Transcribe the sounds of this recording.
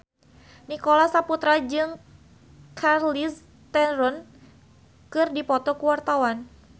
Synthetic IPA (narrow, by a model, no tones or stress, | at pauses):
nikɔlasaput̪ɾad͡ʒɨŋ | kʰarlis | t̪ɛɾɔn | kɨrdipɔt̪ɔkuwart̪awan